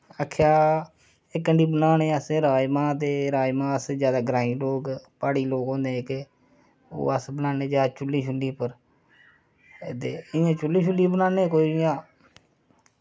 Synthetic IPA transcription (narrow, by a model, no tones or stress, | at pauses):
əkʰːjaː | ɪkːəɳɖiːbənaːnẽːəsẽɾaːjmãːt̪̬eːɾaːjmãːəsd͡ʒjaːd̪aːɡɾãːĩːloːɡpaːɽiːloːɡõːnd̪eːke | o̰ːəsbənaːnẽːd͡ʒaːd̪t͡ʃʊlːĩːʃʰʊliːpəɾ | ed̪eːɪãːt͡ʃʊlːĩːt͡ʃʰʊlːiːbənãːneːkoːijãː